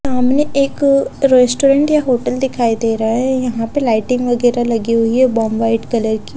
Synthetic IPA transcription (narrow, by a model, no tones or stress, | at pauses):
aːmneʔeːkɾeːsʈoːɾẽɳʈjaɦoːʈəld̪ɪkʰaːid̪eːɾaɛjɐɦãpelaːɪʈɪ̃ŋɡʋɐɡɛːɾalɐɡiɦʊiɛbɔːmʋaːɪʈkɐləɾki